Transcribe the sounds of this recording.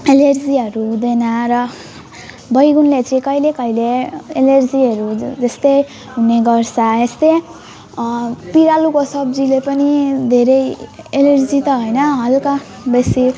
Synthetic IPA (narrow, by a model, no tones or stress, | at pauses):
elerd͡ziɦʌɾud̪enaɾʌ | bʌjɡunlet͡sʰĩkʌilekʌjleelerd͡ziɦʌɾud͡zʌst̪e | ɦuneɡʌrsʰʌest̪e | piɾalukosʌbd͡zilepʌnid̪ʱeɾʌjelerd͡zit̪ʌɦojnʌɦʌlka | besi